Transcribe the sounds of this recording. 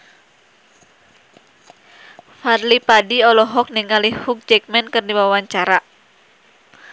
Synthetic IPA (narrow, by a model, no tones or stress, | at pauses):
farlipadiɔlɔɦɔk̚niŋalihuk̚d͡ʒɛk̚mɛnkɨrdibaaaɲt͡ʃaɾa